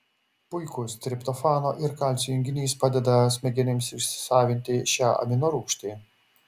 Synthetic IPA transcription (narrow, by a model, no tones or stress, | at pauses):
pʊɪkʊst̪ʲɾʲɪpt̪ɔfɑːnoːʔɪɾkalʲt̪sʲʊɪŋʲɡʲɪnʲiːspɑːd̪ʲɛd̪ɐsʲmʲɛɡʲɛnʲɪmsɪʃʲsʲɪ̥sɑːʋʲɪnʲt̪ʲɪʃʲæːʔɐ̰mʲɪnoɾuːkʃʲt̪ʲiː